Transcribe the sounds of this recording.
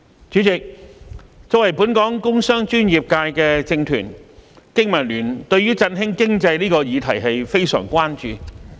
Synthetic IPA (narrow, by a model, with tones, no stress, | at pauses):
t͡ʃyː˨˥t͡sɪ˨k̚ | t͡sɔ˨˧˥wɐ˨˩jpuː˨˥nkɔː˨˥ŋkʊ˥ŋsœː˥ŋt͡ʃyː˥nji˨p̚kaː˧jkɛː˧t͡sɪ˧ŋt̪ʰy̰ː˨˩nkɪ˥ŋmɐ˨˩nlyː˨˩nt̪ɵ˧ɥyː˥t͡sɐ˧nɦɪ˥ŋkɪ˥ŋt͡sɐ˧jliː˥kɔː˧jiː˨˧t̪ʰɐ˨˩jɦɐ˨jfe˥jsœ̰ː˨˩ŋkʷwaː˥nt͡ʃyː˨